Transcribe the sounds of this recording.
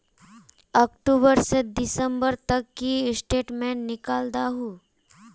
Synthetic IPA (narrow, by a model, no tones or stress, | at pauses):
ɔːkʈuːbəɾsed̪ɪsə̃mbəɾt̪ɐkːisʈeːʈmẽːnnɪkaːld̪aɦuː